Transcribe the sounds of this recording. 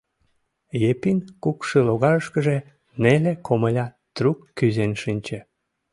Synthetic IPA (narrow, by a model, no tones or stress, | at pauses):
jepinkukʃeloɣɑɾəʃkəʒe | nelekʰoməlʲɑ | t̪rukːyzenʃinʲt͡ɕĕ